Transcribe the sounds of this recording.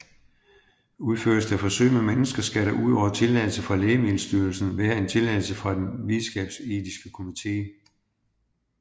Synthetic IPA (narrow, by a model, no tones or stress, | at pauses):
uð̞ˠføɐ̰dsd̥æfɒ̽sø̰ːɪmemenəsɡ̥ɐsɡ̥æɾæʔuð̞̰ˠɒ̰ʊ̰ɐt͡sʰe̝lːæl̩səfʁɑ̈leːmeːl̩sd̥yɐlsn̩ʋæːɐe̝nt͡sʰe̝lɛl̩səfʁɑ̈d̥enʋiðˠsɡ̥ɛ̰b̥se̝ːd̥isɡ̥əkʰo̝mit͡sʰe̝̰ː